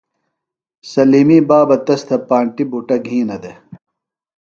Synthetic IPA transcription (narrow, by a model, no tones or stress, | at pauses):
sɐliːmiːbaːbɐt̪ɐst̪ʰɐpaːɳʈibuʈɐɡʱĩːnɐd̪e